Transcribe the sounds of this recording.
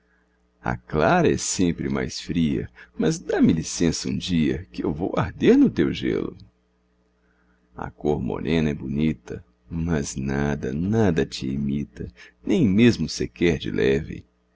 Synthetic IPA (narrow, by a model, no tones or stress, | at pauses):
ɐ̰klaɾɐɛsẽmpɾɪma̰jsfɾiɐ̰mɐzd̪amɪlisẽsɐṵ̃d͡ʒiɐkɪewvowaɾd̪eɾnʊt̪ewʒḛlʊ | ɐ̰koɾmo̰ɾʔẽnɐɛbunit̪ɐ | mɐznad̪ɐnad̪ɐt͡ʃɪimit̪ɐnẽj̃mezmʊsekɛɾd͡ʒɪlʔɛvɪ̰